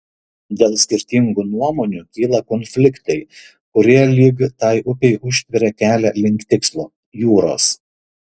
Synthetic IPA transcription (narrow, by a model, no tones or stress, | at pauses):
d̪ʲeːlˠsʲkʲɪɾʲt̪ʲɪŋɡunuɔmoːnʲuːˑkʲiːlˠɐkɔnʲfʲlʲɪkt̪ɐɪ | kʊɾʲiɛlʲiːɡt̪ɑɪʔʊpʲɛɪʔʊʃʲt̪ʲʋʲɪɾʲɛkʲæːlʲɛlʲɪŋʲkt̪ʲɪkslˠoː | juːɾo̰ːs